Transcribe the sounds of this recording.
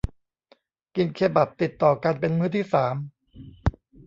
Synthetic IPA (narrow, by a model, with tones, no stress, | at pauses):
ki˧nkʰeː˧ba˨˩p̚t̪i˨˩t̪ːɔː˨˩ka˧npe˧nmɯː˧˥t̪ʰiː˥˩saː˩˦m